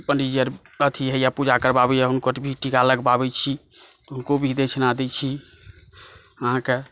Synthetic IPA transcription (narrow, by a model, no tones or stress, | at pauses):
pəɳɖid͡ʒəɾ | ət̪ʰiɦɛjapud͡ʒakəɾbabɛaɦunkobʱiʈikaləɡbabɛt͡ʃʰi | t̪ɔunkobʱid̪et͡ʃʰnad̪ɛt͡ʃʰi | əɦãke